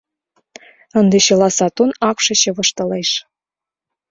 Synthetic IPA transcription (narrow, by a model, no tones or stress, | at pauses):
ə̆nd̪eɕɤ̆lɑsɑt̪unɑkʂɤ̆ɕĕβɤ̆ʃt̪ɤ̆leʂ